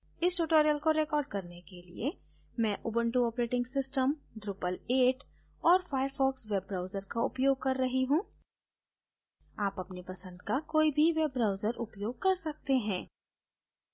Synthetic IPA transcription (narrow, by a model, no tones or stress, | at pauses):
ɪsʈuːʈoːɾijəlkoɾekɔːɾɖkɐɾnekelḭe | mɛ̃ʔʊːbə̃ɳʈuɔːpɾeːʈɪ̃ŋɡsɪsʈəmɖɾuːpəleːʈ | ɔːɾfaːjəɾfɔːksʋeb̚ːɾaːʊzəɾkaʊpjoːɡ̚kɐɾːɐɦiɦũː | aːpɐpnipɐsə̃nd̪kakoːibʱiʋeːbːɾaːʊzəɾʔʊpjoːɡ̚kɐɾsɐk̚t̪eɦɛ̃ː